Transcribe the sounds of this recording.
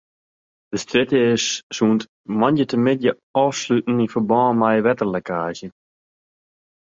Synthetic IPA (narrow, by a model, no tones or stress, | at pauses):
d̥əstrɪtəɪssuːnt | mɔnjətəmɪdjə | ɔːfslytn̩ifəbɔːmajəʋɛtərlɛkaːzjə